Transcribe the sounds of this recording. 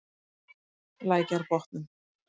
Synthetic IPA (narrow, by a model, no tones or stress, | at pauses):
laːjcaɾpɔht̪nʏm